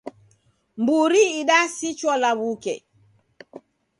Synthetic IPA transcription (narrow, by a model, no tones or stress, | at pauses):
mbuɾiːɗasit͡ʃwɔlaβukɛ